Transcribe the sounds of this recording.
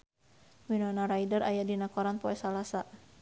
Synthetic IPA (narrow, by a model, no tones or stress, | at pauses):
minɔnaɾajdəɾʔajadinakɔɾanpɔɛsalasa